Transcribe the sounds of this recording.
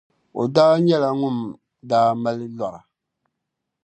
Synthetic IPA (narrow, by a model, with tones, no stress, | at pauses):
o̰˨daː˦ɲɛ˦la˨ŋʊ˦m | daː˦ma˦lɪ˦lɔ˨ɾa˨